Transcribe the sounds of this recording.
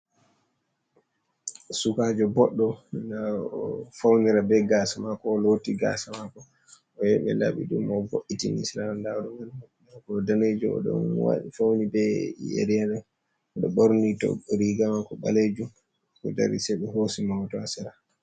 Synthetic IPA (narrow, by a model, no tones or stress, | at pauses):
sukad͡ʒɔbɔɗːɔna | fawniɾabɛɡaːsamakɔːlotiɡa̰samakɔ | ʔɔjɛɓɛ̰la̰ɓḭɗumɔvoʔːitinḭslamandaɗɔmannakɔdaned͡ʒɔɔ̰ɗɔ̰nwa̰ɗḭfawnibɛjḛɾijanɛ | ɔɗɔɓoɾnitɔ̰ɾiɡamakɔɓa̰led͡ʒum | kɔda̰ɾisɛɓɛhosimawtɔasɛɾa